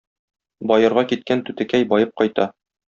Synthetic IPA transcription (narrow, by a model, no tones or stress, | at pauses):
bɒjɤ̆ɾʁɑkit̪̚kænt̪ʉt̪ɘ̆kæjbɒjɤp̚qɒjt̪ɑ